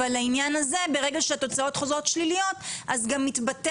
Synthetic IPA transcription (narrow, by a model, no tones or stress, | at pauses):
alːainjanaze̞be̞ʁe̞ɡaʃeato̞t͡sao̞t̪χozʁo̞tʃlilijo̞tʔazɡamːitbat